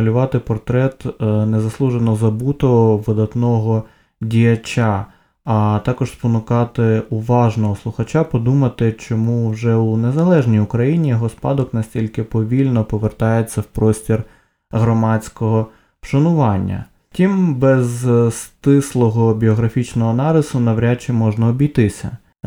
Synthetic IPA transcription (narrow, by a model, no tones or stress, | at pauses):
ɐlʲʊʋɑt̪ɪpɔrt̪ɾɛt̪nezɐslˠuʒenɔzɐbut̪ɔʋɪd̪ɐt̪nɔɦɔ | dʲijɐt͡ʃʲaː | t̪ɑkɔʒ̥spɔnʊkɑt̪ɪʊʋɑʒnɔɦɔslˠʊxɐt͡ʃapɔd̪umɐt̪ɪt͡ʃɔmuwʒɛunezɐlˠɛʒnʲijʊkɾɐjinʲijɔɦɔspɑd̪ɔknɐsʲtʲilʲkɪpɔʋʲilʲnɔpɔʋert̪ɑjet͡sʲːɐwpɾɔsʲtʲir | ɦɾɔmɑt͡sʲkɔɦɔ | pʃɐnʊʋɑnʲːɐ̰ | tʲimbɛzst̪ɪslˠɔɦɔbʲiɔɦɾɐfʲit͡ʃnɔɦɔnɑɾʲɪsʊnɐwɾʲat͡ʃɪmɔʒnɐɔbʲijt̪ɪsʲɐ̰